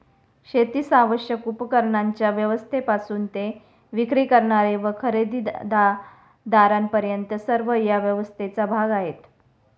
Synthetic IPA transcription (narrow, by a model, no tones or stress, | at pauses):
ɕet̪iːsaʋəɕjəkupkəɾɳaɲt͡ɕjaʋjəʋəst̪ʰepasuːnt̪e | ʋikɾiːkəɾɳaɾeʋəkʰəɾed̪id̪a | d̪aɾampəɾjənt̪əsəɾʋəjaʋjəʋəst̪ʰet͡sabʱaɡaɦet̪